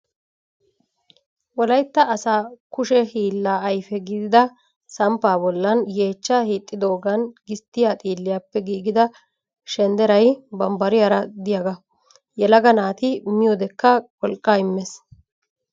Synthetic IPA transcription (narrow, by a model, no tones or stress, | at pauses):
wɔlɐjt̪ːɐːsaːkʊʃɛhiːlːaːɐjfɛɡɪd̪ɪd̪ɐ | sɐmpːaːbɔlːɐnje̞ːt͡ʃːaːhiːt̪ʼːɪd̪o̞ːɡɐnɡɪst̪ːɪjaːt̪ʼiːlːɪjapːɛɡiːɡɪd̪ɐ | ʃɛnd̪ɛɾɐjbɐmbɐɾɪjaɾɐd̪ɪjɐɡɐ | jɛlɐɡɐnaːt̪ɪmɪjɔd̪ɛkːɐkʼɔlkʼːaːɪmːɛs